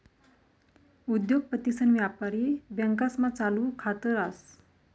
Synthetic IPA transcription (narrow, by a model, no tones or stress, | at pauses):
ud̪joɡ̚pət̪isənʋjapaɾibjəŋkasmat͡saluːkʰat̪əɾas